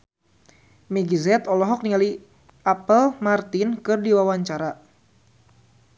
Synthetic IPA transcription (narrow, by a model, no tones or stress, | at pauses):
mɛɡizɛt̪ɔlɔɦɔk̚niŋali | apəlmart̪inkɨrdiwawaɲt͡ʃaɾa